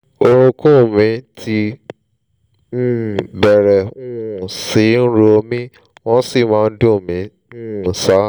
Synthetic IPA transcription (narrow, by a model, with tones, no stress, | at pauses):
o˧ɾ̃ũ˧kũ˦˨mĩ˨˦tʰi˧ | nũ˦˨bɛ˨ɾɛ˨ũ˦˨si˨˦n̩˦ɾo˧mĩ˦ | w̃ɔ̃˦si˦˨mãː˦˧n̩˦dũ˦˨mĩ˨˦ | nũ˦˨sa˨˦